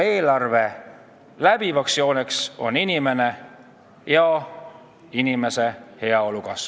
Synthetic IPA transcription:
e̞ːlɑrve̞ | læb̥ivɑksio̞ːnekso̞̰ninʲime̞ne̞ | jɑ | inime̞se̞he̞ɑo̞lukɑs

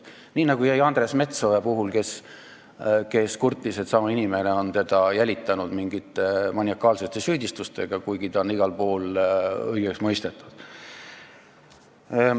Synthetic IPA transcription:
niːnɑɡ̥ujæjɑnd̪̥re̞sme̞t̪sovepuɦulke̞s | ke̞skurt̪ːˑise̞t̪sɑmɑinimene̞o̞nt̪e̞d̪̥ɑjælʲit̪ːˑɑnud̪̥miŋɡit̪ːˑemɑnʲiɑkːˑɑːlse̞t̪ːˑe̞syːd̪ist̪ust̪e̞ɡ̥ɑkujɡ̥it̪ɑonːiɡ̥ɑlpoːlɤjɡ̥eksmɤjst̪e̞t̪ːˑu̥d̪̥

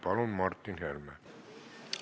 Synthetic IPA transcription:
pɑlonmɑrt̪ːinhelmæ

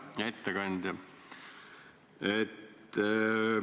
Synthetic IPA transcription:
jɑet̪ːekɑnʲd̪̥ʲjɑ | et̪ː

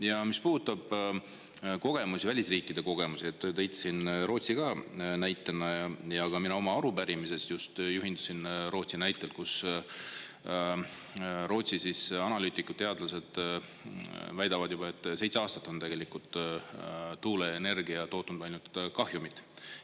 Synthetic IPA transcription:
jɑmispuːd̪ut̪ːˑɑb̥ | ko̞ɡ̥e̞musivælʲisriːkːˑid̪̥e̞ko̞ɡ̥e̞musiet̪ːˑt̪ejt̪ːˑsinro̞ːt̪siɡ̥ɑnæjt̪ːˑenːɑɑjɑɡ̥ɑminɑo̞mɑɑɾubæɾimise̞st̪just̪juɦind̪̥u̥sinro̞ːt̪sinæjt̪ːˑelkus | ro̞ːt̪sisisɑnɑlyːt̪ːˑikːˑu̥d̥̪t̪ːe̞ɑd̪lɑse̞d̪̥ | væjd̪ɑvɑd̪̥jubɑe̞t̪ːˑse̞jt̪seɑːst̪ɑ̥t̪ːˑo̞nt̪e̞ɡ̥e̞likult̪ˑ | t̪ːuːleene̞rɡiɑt̪o̞ːt̪ːˑund̥̪ɑjlnut̪kɑhjumit̪ːˑ

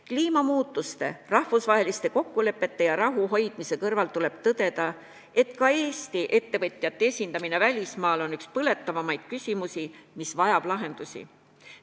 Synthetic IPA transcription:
kliːmɑmuːt̪ːˑust̪e̞̰rɑhvusvɑɦe̞list̪e̞ko̞kːule̞pːˑe̞t̪ːe̞jɑɾɑɦuɦo̞jd̪̥mise̞kɤrvɑlt̪ule̞b̥̚t̪ɤd̪̥e̞d̪̥ɑ | e̞t̪kɑe̞ːst̪iʔe̞t̪ːe̞vɤt̪ʲˑːjɑt̪ːeesʲind̪ɑmine̞vælʲismɑːlo̞nykspɤle̞t̪ˑːɑvɑmɑjd̪̥̚kysʲimusimisvɑjɑb̥lɑɦe̞nd̪̥usʲḭ

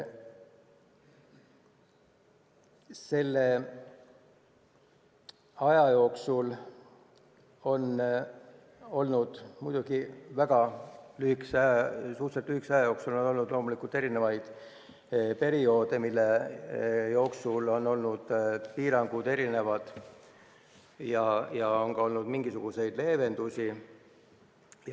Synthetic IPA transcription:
se̞lːe | ɑjɑjo̞ːksul | o̞n | o̞lnud̪̥mujd̪̥uɡ̥ivæɡ̥ɑlyhiksɑsuhɾt̪selt̪lyhiksɑjɑjo̞ːksulono̞lnud̪̥lo̞ːmulikˑult̪e̞ɾine̞vɑjd̪̥ | pe̞ɾio̞ːd̪e̞milːe̞ | jo̞ːksulo̞nːo̞lnud̪̥piːɾɑŋɡ̥ud̪e̞ɾine̞vɑd̪̥ | jɑjɑoŋɡɑo̞lnud̪miŋɡ̥isuɡ̥use̞jd̪̥le̞ːve̞nd̪̥usʲi | j

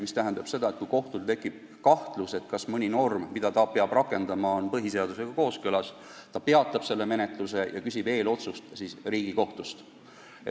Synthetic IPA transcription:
mist̪æɦænd̪̥ɑb̥se̞d̪̥ɑe̞t̪̚kujko̞ht̪ult̪e̞kːˑib̥̚ | kɑht̪luse̞t̪kɑsmɤnʲino̞rmmid̪̥ɑt̪ɑpeɑb̥rɑkːˑe̞nd̪̥ɑmɑonpɤɦise̞ɑd̪use̞ɡ̥ɑko̞ːskølɑs | t̪ɑpe̞ɑt̪ːˑɑb̥se̞lːe̞me̞net̪ˑluse̞jɑ̰kysʲib̥e̞ːlo̞t̪sust̪sisriːɡ̥iko̞ht̪ust̪ | e

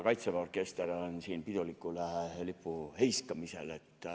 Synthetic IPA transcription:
kɑit̪seʋorkest̪eronsiːnpit̪olikːulælipːuheiskɑmisḛlet̪ːæ

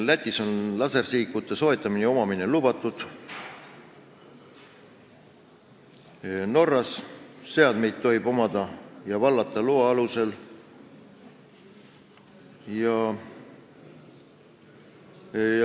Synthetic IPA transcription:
læt̪ʲːˑiso̞nlɑse̞rsiːkːˑut̪ːˑe̞so̞e̞t̪ːˑɑmineo̞mɑmine̞lubɑt̪ːˑud̪̥ | no̞rːɑsːe̞ɑd̪me̞jd̪̥̚t̪o̞ɦib̥o̞mɑd̪ɑjɑvɑlːɑt̪ːˑɑluɑɑluse̞l | jɑ

